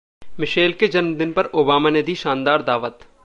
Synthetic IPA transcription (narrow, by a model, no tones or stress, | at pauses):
mɪʃeːlked͡ʒɐnmd̪ɪnpɐɾoːbaːmaned̪iʃãːnd̪aːɾd̪aːʋət̪